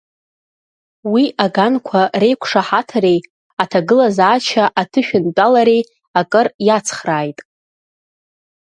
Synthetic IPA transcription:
wiʔaɡankʷʰare̞jkʷʰʂaħatʰaɾe̞j | atʰaɡɨlazaːt͡ʃʰaʔatʰɨʃᶣʊnt͡pʼalaɾe̞j | akʼɨrjat͡sʰχraːjtʼ

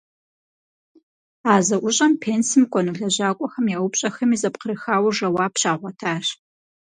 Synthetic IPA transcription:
aːzɐʔʷʊɕʼɐmpʰeːnsɨmkʷʼɔnuɮɐʑaːkʷʼɔxɐmjawʊpɕʼɐxɐmiːzɐpqəɾɨxaːwʐɐwaːpɕaːʁʷɔtʰaːr

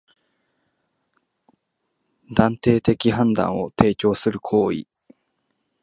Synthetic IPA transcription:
d̪ãnt̪e̞ːt̪e̞kʲiɦãnd̪ã̰ɰ̃o̞̰t̪e̞ːt͡ɕo̞ːsɨɾɯ̟kʰo̞ːḭ

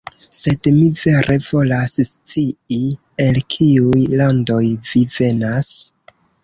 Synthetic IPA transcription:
se̞dmive̞ɾʔe̞vo̞lasst͡sii | e̞lkʰiujlando̞jvive̞nas

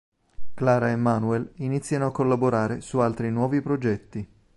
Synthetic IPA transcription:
klaːɾaemːaːnuɛlinit̪sːjanoakːolːaboɾaːɾesualt̪ɾinwɔːvipɾod͡ʒɛt̪ːi

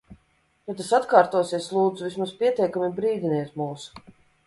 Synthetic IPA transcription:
j̪ɔt̪asat̪kaːɾt̪uɔsiɛslˠuːd̪zuvʲismaspʲiɛt̪ʲiɛkamibɾiːd̪ʲiniɛt̪muːsu̥

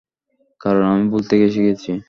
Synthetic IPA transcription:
kaɾonamibolt̪eɡeʃeɡet͡ɕʰi

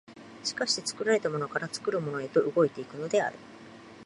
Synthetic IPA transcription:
ɕi̥kaɕi̥t̪e̞t͡sɨ̥kɯ̟ɾaɾe̞t̪amo̞no̞kaɾat͡sɨ̥kɯ̟ɾɯ̟mo̞no̞e̞t̪o̞ʔɯ̟ɡo̞et̪e̞ikɯ̟no̞d̪e̞a̰ɾɯ̟

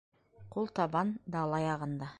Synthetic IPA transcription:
qʰolˠt̪ɑbɑnd̪ɑlˠɑjɑʁɤ̆nd̪ɑ

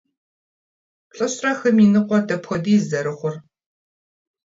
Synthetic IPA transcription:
ɬʼɨɕrɐxɐminɨqʷɔdɐpxɐdiːzɐɾɨχʷʊr

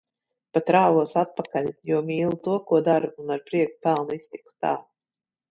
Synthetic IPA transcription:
pat̪ɾaːvuɔsat̪̚pakalʲjuɔmʲiːlˠut̪uɔkuɔd̪aɾuunaɾpɾiɛku̥pælˠnuist̪i̥ku̥t̪a̰ː

